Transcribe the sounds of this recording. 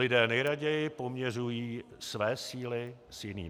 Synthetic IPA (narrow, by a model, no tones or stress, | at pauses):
lɪdɛːnɛjɾaɟɛjɪpomɲɛr̝ujiː | svɛːsiːlɪsjɪnḭː